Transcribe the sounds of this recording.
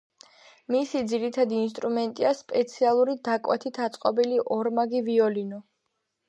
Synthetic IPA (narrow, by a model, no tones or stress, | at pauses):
misid̪ziɾit̪ʰad̪iːns̬t̪ʼɾumɛnt̪ʼiaspʼɛt̪sʰialˠuɾid̪akʼwɛt̪ʰit̪ʰat̪sʼqʼɔbiliʔɔɾmaɡiviɔlinɔ